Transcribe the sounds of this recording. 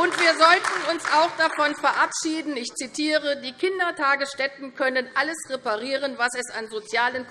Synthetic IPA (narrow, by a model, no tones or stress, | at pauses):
ʔʊntv̥iːɐzɔltn̩ʊnsaʊxd̥afɔnfɛɐʔapʃiːdn̩ɪçt͡sitʰiːʁədiːkʰɪndɐtʰaːɡəsʃtɛtn̩kʰœnənʔaləsʁepaʁiːʁənvasɛsanzot͡sjaːlən